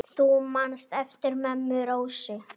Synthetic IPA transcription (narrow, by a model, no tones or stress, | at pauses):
θumanst̪ɛft̪ɪɾmɛmːʏɾowsɪ